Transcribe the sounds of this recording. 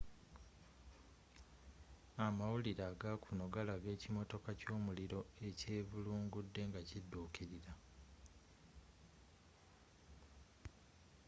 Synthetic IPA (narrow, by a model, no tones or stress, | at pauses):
amawuliɾaːɡakʰuno̞ɡalaɡe̞ːcimo̞to̞kaco̞ːmuliɾo̞e̞ce̞ːvuluːŋɡudːe̞ŋɡacidːuːkʰiɾiɾa